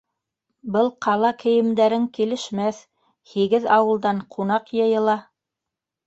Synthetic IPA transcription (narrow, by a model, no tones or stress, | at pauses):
bɤlˠqɑlˠɑkɘ̆jɘ̆md̪æɾɘŋkilɘ̆ʃmæθ | hiɡɘðɑwɤ̆lˠd̪ɑɴqʰunɑqjɤ̆jɤ̆lˠɑ